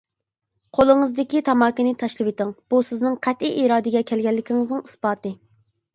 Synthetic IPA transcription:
qʰolˠɨŋɨzd̪ɪkʲit̪ʰɑmɑːkʲɪnɪt̪ʰɑʃlˠɨwet̪ɪŋb̥usɪznɨŋqʰɛt̪ʔiʔiɾɑːd̪ɪɡʲɛkʲʰɛlɡʲɛlːɪkʲʰiŋɨznɨŋisbɑːt̪ɨ

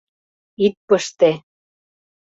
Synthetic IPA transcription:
it̪̚pəʃt̪e

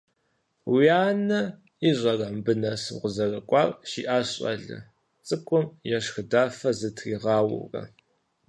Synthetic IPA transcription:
wiaːnɐ | iːɕʼɐrɐmbɨnɐsʁʷʊzɐrɐkʷʼɑːrʼʃḭːʔaːɕʼɐ̰ɮɐ̰ | t͡sʼɨkʷʼʊmjɛʂxɨdaːfɐzɨtʰriːʁɑːwʊ̰wrɐ̰

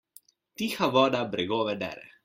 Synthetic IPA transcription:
t̪iːxaʋɔːd̪abɾɛɡoːʋɛd̪ɛ̰ːɾɛ̰

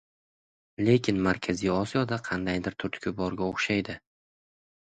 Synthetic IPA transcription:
le̞kʲʰɪnmaɾkʲʰazijɒsijɒd̪aqʰɑnd̪ajd̪ɪɾt̪ʰʊɾt̪ʰkʲʰʊbɒɾɡʲaoχʃajd̪ɪ

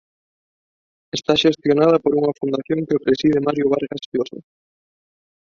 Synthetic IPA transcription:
est̪aʃest̪jonað̞ɐpoɾuŋɐfund̪aθjoŋkeopɾesið̞ɪmaɾjʊβaɾɣasfjoso̰

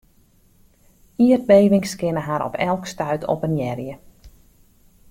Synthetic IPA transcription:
iərt̚beːʋɪŋskɪnəɦaɾɔ̰pʰɛlˠkstœɥtʰɔ̰pənjɛrjə

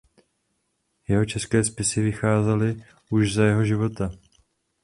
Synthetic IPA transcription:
jɛɦo̞t͡ʃɛskɛːspɪsɪvɪxaːzɛlɪ | ʔuʒzajɛɦo̞ʒɪvo̞t̪a

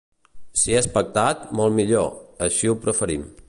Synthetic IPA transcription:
siɛspək̚t̪at̪molˠmiʎo̰əʃiupɾəfəɾim

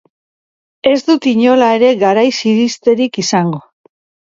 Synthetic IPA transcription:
e̞zd̪ut̪iɲo̞lae̞ɾe̞ɣaɾajsiɾist̪e̞ɾikisaŋɡo̞

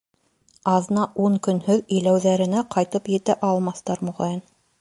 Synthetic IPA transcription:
ɑðnɑʔuŋkɵ̆nhɵðɵ̆jlæwðæɾɘ̆næqɑjt̪ɤpjɘ̆t̪æʔɑlˠmɑθt̪ɑɾmuʁɑjɤn

